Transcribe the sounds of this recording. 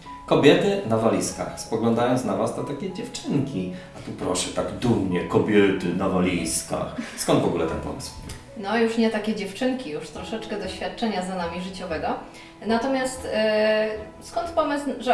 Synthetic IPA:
kɔbʲjɛt̪ɘnavalʲiska̰xspɔɡlɔ̃nd̪ajɔnt̪snavast̪ɔt̪akʲed͡ʑɛft͡ʂɘŋkʲiat̪upɾɔʂɛt̪aɡd̪umɲɛkɔbʲjɛt̪ɘnavalʲiska̰xskɔnd̪vɔɡulɛt̪ɛnpɔ̰mɘ̰sw | nɔjuʂɲɛt̪akʲɛd͡ʑɛft͡ʂɘŋkʲijuʂt̪ɾɔʂɛt͡ʂkɛd̪ɔɕfʲjat̪̚t͡ʂɛɲazanamʲiʐɨt͡ɕɔvɛɡɔ | nat̪ɔmʲjast̪ | skɔnt̪pɔmɘsʐɛ

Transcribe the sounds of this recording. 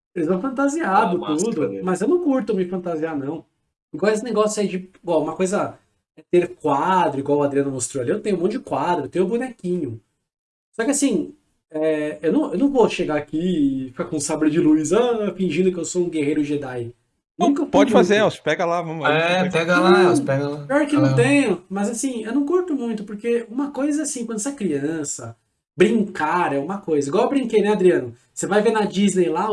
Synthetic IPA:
elɪzvɐ̃w̃fɐ̃nt̪aziad̪ʊt̪ud̪ʊmɐzewnɐ̃w̃kuɾt̪ɐ̃mɪfɐ̃nt̪azianɐ̃w̃ | ɪɡawes̬ɪneɡɔsjaid͡ʒɪbaũmɐkojzɐ | ɛt̪eɾkwad̪ɾʊiɡwawʊad̪ɾiɐ̃nɐmost̪ɾoaliewt̪ẽj̃ũmõʊd͡ʒɪkwad̪ɾʊewt̪ẽj̃ʊ̃bunɛkĩɲʊ | sɔkɪasĩ | ɛewnɐ̃w̃ewnɐ̃w̃voʃeɡaːkifi̥kakõsabɾɪʊd͡ʒɪluizɐfĩʒĩnd̪ʊkɪewsoũɡehejɾʊʒed̪aj | nũkɐpɔd͡ʒɪfazeɛse̥pɛɡɐlavɐ̃mʊɛpɛɡɐlãspɛɡɐlaɪɔɾkɪnɐ̃t̪ẽɲʊ̃mɐzasĩewnɐ̃w̃koɾt̪ʊmũj̃t̪ʊpoɾkeũmɐkojzɐasĩkwɐ̃d̪ʊsɛkɾiɐ̃sɐ | bɾĩŋkaɾɛũmɐkojzɐiɡwawewbɾĩkejnɛad̪ɾiɐ̃nʊ | sevajvenɐd͡ʒiznejla

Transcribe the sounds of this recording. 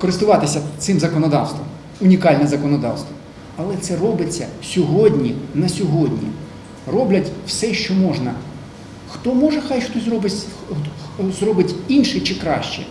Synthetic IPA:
kɔɾɪst̪ʊʋɑt̪ɪsʲɐt̪sɪmzɐkɔnɔd̪ɑwst̪ʋɔm | ʊnʲikɑlʲnɛzɐkɔnɔd̪ɑ̰wst̪ʋɔm | ɐlˠɛt̪sɛrɔbɪt͡sʲːɐsʲɔɦɔdʲnʲinɐsʲɔɦɔdʲnʲḭ | rɔblʲɐtʲw̥sɛʃt͡ʃɔmɔʒnɐ | xt̪ɔmɔʒɛxɑjxt̪ɔzɾɔbɪsʲ | zrɔbɪtʲinʃɪt͡ʃɪkɾɑʃt͡ʃɛ̰

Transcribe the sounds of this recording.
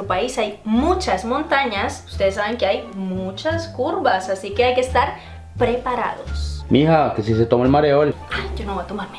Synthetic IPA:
ɾupaisajmut͡ʃasmont̪aɲasu̥st̪eðesːaβeŋkeajmut͡ʃaskuɾβasasike̞ajkest̪aɾ | pɾe̞paɾa̰ðo̰smixakesiset̪omoelmaɾeolad͡ʒonoβojat̪omaɾme

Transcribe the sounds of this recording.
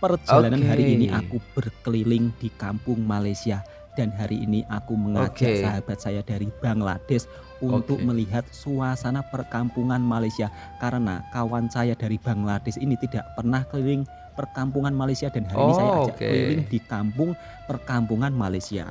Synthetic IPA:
pərd͡ʒalananɦaɾiːniʔa̰kub̥ərkəlilɪŋd̥i̤kampʊŋmalajsia | d̥anɦaɾiʔːniʔakuməŋḁd͡ʒ̥aʔsaɦab̥a̤t̪̚sajad̥aɾib̥a̤ŋla̰d̥ɛs | unt̪ʊk̚məliɦat̪̚suasanapərkampuŋanmalajsia | kaɾəna̰kawansajad̥aɾib̥a̤ŋlad̥ɛsinit̪id̥aʔpərnahkəlilɪŋ | pərkampuŋanmalajsiad̥a̤nɦaɾinisajakad͡ʒaʔkəlilɪŋd̥i̤kampʊŋ | pərkampuŋanmalajsia̰

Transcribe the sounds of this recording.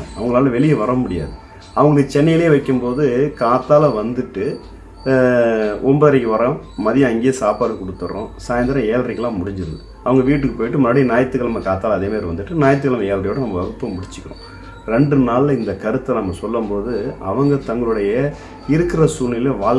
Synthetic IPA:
ɐʋɐŋɡɐɭaːlɐʋɛɭɪjɐʋɐɾɐmʊɽɪja̰ːðɯ | ɐʋɐŋɡɐɡt͡ʃɛnːɐjɪleːʋɐɪkːɯmpoːðɯkaːt̪ːaːlɐʋɐnd̪ɯʈːɯ | ʔɔmbɐːɐɾɪkːɯʋɐɾɐmɐðɪjɐ̃ɐŋɡejɐsaːpaːɽɯkɔɽɯt̪ːɯɾõ̰ːsaːjɐnd̪ɐɾɐ̃eːlrɪkːlãːmʊɽɪɲd͡ʒɯɾɯðɯ | ɐʋɐŋɡɐʋiːʈːɯkːɯpoːjɪʈːɯmʊnaːɽinaːjɐt̪ːɯkːɐɭɐmɐkaːt̪ːaːlɐðeːmaːɾiʋɐnd̪ɯʈːɯnaːjɐt̪ːɯkːɐlɐmɐeːlrɪjoːʈːɯnɐmːɐʋɐɣɯpːɐmʊɽɪt͡ʃːɯ̥kːɪɾõ̰ː | ɾɛɳɖɯnaːɭlɪnd̪ɐkɐɾɯt̪ːɐnɐmːɐsɔlːɐmpoːðɯɐ̰ʋɐŋɡɐt̪ɐŋɡɐɭɯɽɐjɐ | ɪɾɯkːɪrɐsuːnːɪleʋaː

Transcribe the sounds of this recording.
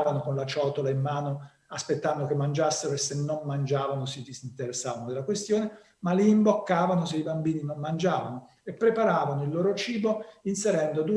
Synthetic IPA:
vanokonlat͡ʃɔːt̪olaimːaːno | aspet̪ːand̪okemːand͡ʒasːeɾoesːenːonmand͡ʒaːvanosid̪isint̪eɾesːaːvanod̪elakwest̪joːne | maliːmbokːaːvanoseibambiːninonmand͡ʒaːva̰no | epːɾepaɾaːvanoilːoːɾot͡ʃiːboinseɾɛnd̪od̪u

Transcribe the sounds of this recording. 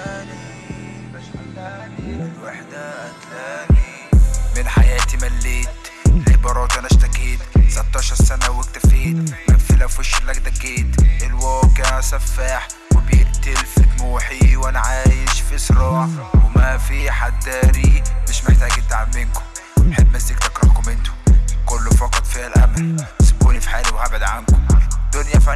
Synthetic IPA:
ni | lwaħd̪æt̪ːæːni | mɪnħajæːt̪imælːeːt̪ | elʔɪbɑɾˤɑːt̪ʔænʔæʃt̪ækeːt̪sat̪ːɑːʃɑɾˤsænæwækt̪afiːd̪mæfilæfɪʃːɪlːækd̪ækːeːt̪elwɑːkeʕsæfːaħ | webjɪʔt̪elfemuːħiwʔænæʕaːjeʃfiʔsˤɾɑːʕwemæfiħad̪ːæɾiːmɪʃmeħt̪æːɡt̪ːaʕmmenko̥m | nħebːmæsːikt̪ekɾˤɑ̰ħkomɪnt̪ʊ̥kʊlːofɑqɑt̪ˤfiælʔæ̰mælʔɪzmkuːlifi̥ħaːlwhæbʕed̪ʕankʊmd̪ʊnjæfæ

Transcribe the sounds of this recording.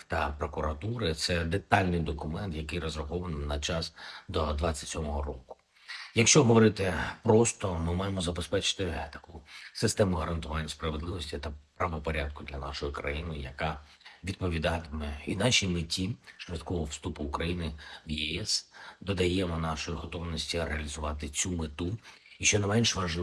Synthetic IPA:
t̪ɐpɾɔkʊɾɐt̪uɾɪt̪sɛd̪et̪ɑlʲnɪjd̪ɔkʊmɛnt̪jɐkɪjrɔzɾɐxɔʋɐnnɐt͡ʃɑsd̪ɔd̪ʋɑt͡sʲːɐ̥tʲsʲɔmɔɦɔrɔkʊ̥ | jɐkʃt͡ʃɔɦɔʋɔɾɪt̪ɪpɾɔst̪ɔmɪmɑjemɔzɐbespɛt͡ʃɪ̥t̪ɪt̪ɐ̥kusɪst̪ɛmʊɦɐɾɐnt̪ʊʋɑnʲːɐspɾɐʋed̪lˠɪʋɔsʲtʲit̪ɐpɾɐʋɔpɔɾʲad̪̚kʊd̪lʲɐnɑ̰ʃɔjʊkɾɐ̰jinʊjjɐkɑ | ʋʲid̪̚pɔʋʲid̪ɑt̪ɪmɛinɑʃʲimɪtʲiʃʋʲɐt̪kɔɦɔwst̪upʊːkɾɐjinɪwjɛɛsd̪ɔd̪ɐjɛmɔnɑʃɔjiɦɔt̪ɔʋnɔsʲtʲiɾeɐlʲizʊʋɑt̪ɪt͡sʲumɪt̪u | iʃt͡ʃɔnɐmɛnʃʋɐʒ

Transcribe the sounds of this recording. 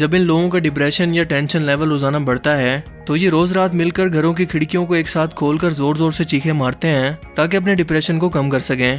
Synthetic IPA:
d͡ʒɐbɪnloːɡõk̬aɖɪp̬ɾɛːʃənjaʈɛ̃ːnʃənlɛːʋəlɾoːzaːnabɐɽ̤t̪aɦɛː | t̪ojeɾoːzɾaːt̪mɪlkəɾɡʱɐɾõk̬ikʰɪɽkijõkoeːksaːt̪ʰkʰoːlkəɾzoːɾzoːɾset͡ʃiːkʰẽmaːɾt̪eɦɛ̃ːt̪aːk̬eɐp̬neɖɪpɾɛːʃənkokɐmkɐɾsɐkẽː

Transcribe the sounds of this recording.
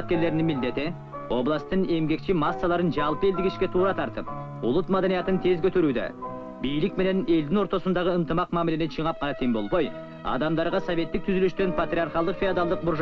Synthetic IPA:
t̪kʲe̞ɾle̞ɾɪnɪŋmɪld̪e̞t̪ɪ | wo̞blˠɑst̪əɴe̞mɡʲe̞kʃɪmɑsːɑlˠɑɾənʒɑlˠpəe̞ld̪ɪkɪʃkʲe̞t̪ʰuɾɑt̪ʰɑɾt̪əp̚ | ʊlˠət̪mad̪ɑnijɑt̪ənt̪ʰe̞zkʲʰɵt̪eɾud̪ɪ̰ | bijlɪk̚mene̞ne̞ld̪ɪŋwo̞ɾt̪o̞sənd̪ɑʁəənt̪əmɑqmæmɪlenenʃʰiɴɑp̚qʰɑnɑt̪ʰeŋbo̞lˠboj | ɑ̰d̪ɑmd̪ɑɾʁɑsove̞t̪ːɪk̚t̪ʰʏzyleʃt̪enpʰat̪ɾʲiaɾχɑlˠd̪əqfiad̪alˠd̪əq̚bʊɾʒ

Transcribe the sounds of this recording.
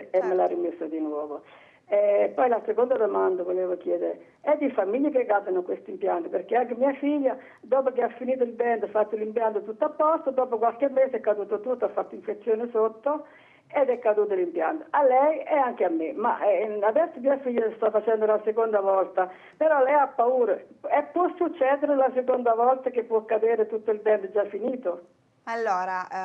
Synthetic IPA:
ɛmːelarimesːod̪inwɔːvo | ɛpːɔjlasekond̪ad̪omand̪avoleːvokjɛːd̪ɪɾ | ɛd̪ːifamiʎːəkeɡad̪anokwest̪impjant̪əpeɾkeaŋkemiːafiʎːa | d̪ɔːpok̟eafːiniːt̪oilbɛnd̪fat̪ːolimpjant̪ət̪ut̪ːoapːɔst̪od̪ɔːpokwalkemːeːsɛkːad̪uːt̪ot̪ut̪ːafːat̪ːoiɱfet̪sːjoːnɪsot̪ːo | ed̪ɛkːad̪uːt̪̬olimpja̰nt̪o̥alːɛjɛaŋkeamːema̰ʔɛad̪ɛsːomiːafiʎːast̪afːat͡ʃɛnd̪olasekond̪avɔlt̪a | peɾɔlɛjapːauːɾəɛpːwɔsːut͡ʃːɛːd̪eɾelasekond̪avɔlt̪ak̟epːwɔkːad̪eːɾet̪ut̪ːoilbɛnd̪d͡ʒafːiniːt̪o | alːoːɾa

